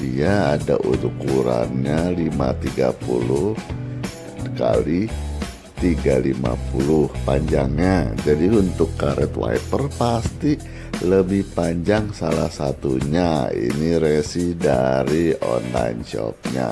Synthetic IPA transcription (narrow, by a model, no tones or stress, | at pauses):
iaːdaʔutukuɾanɲalimat̪iɡapulʊh | kali | t̪iɡalimapulʊhpaɲd͡ʒaŋɲad͡ʒadiunt̪ʊkːaɾɛt̪wa̰ipərpast̪i | ləbɪhpaɲd͡ʒaŋsalahsat̪uɲaḭniɾesidaɾiɔnlajnt͡ʃɔ̰p̚ɲa